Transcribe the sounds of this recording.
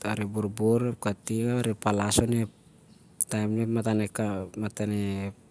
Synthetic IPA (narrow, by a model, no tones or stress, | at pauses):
aɾebuɾboɾep̚katiŋaaɾepalasone | tajmnematanekamatane